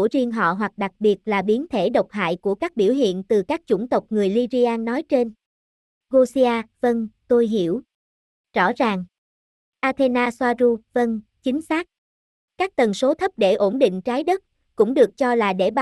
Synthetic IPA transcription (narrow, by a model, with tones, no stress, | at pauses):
əzi˧əŋɦɔ̰˧˨ɦwa˨˩k̚ɗa˨˩k̚ɓi˨˩ət̚laː˨˩ɓi˨˦ənt̪ʰe˧˩ɗə˨˩wk͡p̚ɦa̰ː˧˨jku˧˩əkaː˦˥k̚ɓi˧˩əwɦḭ˧˨ənt̪ɨ˨˩kaː˦˥k̚t͡ɕʊ̰˧˩ŋ͡mt̪ə˨˩wk͡p̚ŋɨ˨˩əjli˧zi˧ʔaː˧nːɔ˨˦jt͡ɕe˧n | ɣo˧si˧aː˧və˧nt̪o˧jɦḭ˧˩˨əw | zɔ̰˧˩zaː˨˩ŋ | ʔaː˧t̪ʰe˧naː˧swaː˧zu˧və˧nt͡ɕï˨˦ŋ̟saː˦˥k̚ | kaː˦˥k̚t̪ə˨˩nso˨˦t̪ʰə˦˥p̚ɗe˧˩ʔo˧˩nɗḭ̈˧˨ŋ̟t͡ɕaː˨˦jɗə˦˥t̚ | kʊ̰˧˥ŋ͡mɗɨ˨˩ək̚t͡ɕɔ˧laː˨˩ɗe˧˩